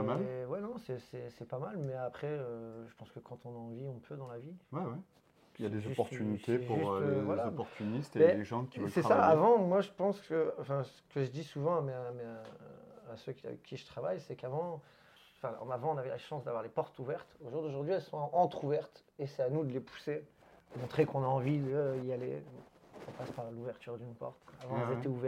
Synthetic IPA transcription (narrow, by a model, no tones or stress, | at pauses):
amalwɛnɔ̃sɛsɛsɛpamalmɛapχɛøʒəpɑ̃skəkʰɑ̃t̪ɔ̃naɑ̃viɔ̃pʰød̪ɑ̃laviwɛwɛ | jad̪ezɔpɔʁt̪ynit̪ʰepʒuyʁlevwalazɔpɔʁt̪ʰynist̪emɛleʒɑ̃kʲivvəsɛsaavɑ̃mwaʒəpɑ̃skəɑ̃fɛ̃sə̥kəʒəd̪isuvɑ̃amɛmɛ | asøkʲa̰vɛ̰kʰʲːiʒət̪χavajsɛkavɑ̃ | fɛ̰̃avɑ̃ɔ̃navɛla̰ʃɑ̃sd̪avwaʁlepɔʁt̪uvɛʁt̪oʒuʁd̪oʒuʁd̪ɥiɛlsɔ̃ɑ̃t̪χuvɛʁt̪ | esɛanud̪əlepʰu̥se | d̪əmɔ̃t̪χekɔ̃naɑ̃vid̪əiale | ɔ̃paspaʁluvɛʁt̪yʁd̪ynpɔ̰ʁt̪avɑ̃ɛlzet̪ɛuvɛ